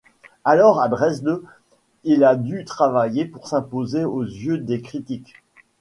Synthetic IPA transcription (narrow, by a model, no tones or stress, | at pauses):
alɔʁad̪ʁɛzd̪ø | ilad̪yt̪χavajepuʁsɛ̃pozeozjød̪ekχit̪ik